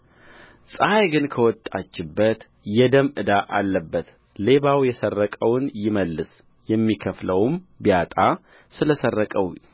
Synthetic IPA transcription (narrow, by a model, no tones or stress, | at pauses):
sʼajɡɨnkʰəwɔt̪ʼːat͡ʃːɪbːət̪ | jɛd̪əmɨd̪aʔalːəbːət̪ | le̞βawjɛsərːəkʼəwnjɪməlːɨs | jɛmːikʰəfləwmbijat̪ʼa | sɨləsərːəkʼəw